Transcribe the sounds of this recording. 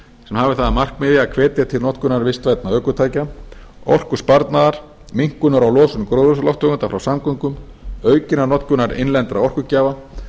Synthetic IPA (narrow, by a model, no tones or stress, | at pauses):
sɛmhaːvɪθaðamar̥kmɪðɪakʰvɛːt̪jat̪ʰɪlnɔt̪kʏnaɾvɪst̪vajt̪naœːkʏt̪ʰaːjcaɔr̥kʏ̥spaɾt̪naðaɾ̥ | miŋ̥kʏnaɾawlɔːsʏmkɾowðʏslɔht̪ʰœɣʏnt̪afɾawsamkœŋkʏm | œːɥcɪnanɔt̪kʏnaɾɪ̰nlɛnt̪ɾaɔr̥kʏcaːva